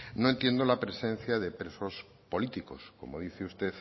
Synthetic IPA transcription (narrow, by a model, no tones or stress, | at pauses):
noe̞nt̪je̞nd̪o̞lapɾe̞sẽ̞nθjaðe̞pɾe̞so̞s | po̞lit̪iko̞̰sko̞̰mo̞ðiθeust̪e̞θ